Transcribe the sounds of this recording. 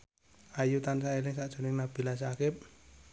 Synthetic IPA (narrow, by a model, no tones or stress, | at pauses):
ajut̪ansaelɪŋsaʔt͡ʃoniŋnab̥ilasakɪp̚